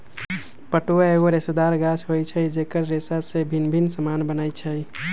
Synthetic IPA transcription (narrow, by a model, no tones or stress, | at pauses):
pəʈoaeɡoɾesed̪aɾɡat͡ʃʰɦojt͡ʃʰəid͡ʒekəɾːesasebʱinbʱinsəmanbənaɪt͡ʃʰəi